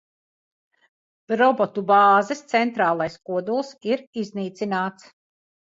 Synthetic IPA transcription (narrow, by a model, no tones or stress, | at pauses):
ɾɔbɔt̪ubaːzɛst̪sɛnt̪ɾaːlˠajskuɔd̪ulˠsiɾizniːt̪sinaːt̪s